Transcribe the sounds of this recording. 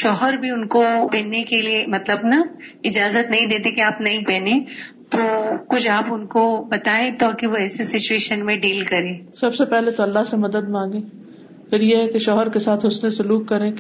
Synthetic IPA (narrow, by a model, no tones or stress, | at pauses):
ʃɔːɦəɾbʱiʊnkopɛ̃ːnːekeliemɐt̪ləbnɐɪd͡ʒaːzət̪nɐɦĩd̪eːt̪ekiaːpnɐɦĩpɛːnẽːt̪oːkʊt͡ʃʰaːpʊnkobɐt̪aːẽt̪ɔːkiʋoɛːsesɪt͡ʃueːʃənmẽɖiːlkɐɾẽːsɐbsepɛɦlet̪oɐlːaɦsemɐd̪əd̪̚mãːŋɡẽː | pʰɪɾjeɦɛkeʃɔːɦəɾkesaːt̪ʰɦʊsnesʊluːkːɐɾẽ